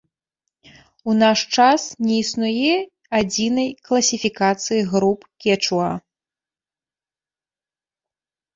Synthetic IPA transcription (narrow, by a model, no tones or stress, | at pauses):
unaʂt͡ʂasnʲɛisnujɛ | ad͡zʲinɐjklˠɐsʲifʲikat̪sɨjiɣɾupkʲɛt͡ʂua